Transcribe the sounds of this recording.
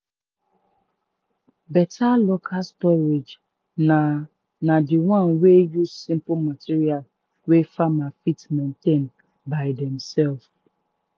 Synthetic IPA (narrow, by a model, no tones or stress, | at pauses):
bɛtʰalokʰalstɔɾed͡ʒ | na | nadɪwãnwejuzsĩmpʊmatʰiɾial | wefamafitmẽntẽn | baɪdɛmsɛlf